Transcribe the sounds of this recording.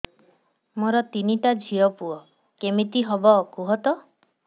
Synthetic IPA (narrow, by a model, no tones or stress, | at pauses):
moɾɔt̪iniʈad͡ʒʱiɔpuɔ | kemit̪iɦɔbɔːkuɦɔt̪ɔ